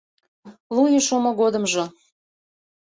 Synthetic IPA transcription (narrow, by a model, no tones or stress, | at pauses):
lˠujəʃumoɣod̪əmʒo